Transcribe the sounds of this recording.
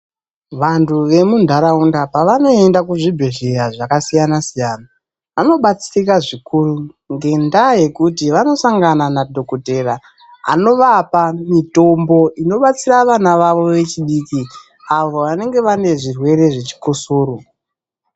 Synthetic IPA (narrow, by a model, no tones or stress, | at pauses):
ʋantʰuʋe̞mundʱaɾaundapaʋano̞e̞ndakuʐibʱe̞ɮeɾaʐakasijanasijaːna | ʋano̞ɓat͡siikaʐikuru | ŋɡe̞ndaje̞kutiʋano̞saŋɡananadʱo̞kote̞ːra | a̰no̞ʋapamito̞mbo̞ʔino̞ɓat͡siraʋanaʋaʋo̞ʋe̞t͡ʃiɗiːki | aʋo̞ʋane̞ŋɡe̞ʋane̞ʐirwe̞ɾe̞ʐe̞t͡ʃi̥kosoːɾo